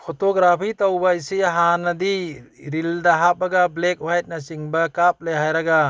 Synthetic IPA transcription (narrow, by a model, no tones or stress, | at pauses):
pʰotoɡɾapʰitɐwbɐisijɐɦanːɐdiɾildɐɦab̚ɐɡɐblek̚wajt̚nɐt͡ʃiŋbɐkap̚lejɦajɾɐɡɐ